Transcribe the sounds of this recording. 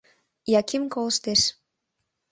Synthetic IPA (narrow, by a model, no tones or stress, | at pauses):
jɑkʲimkolst̪eʃ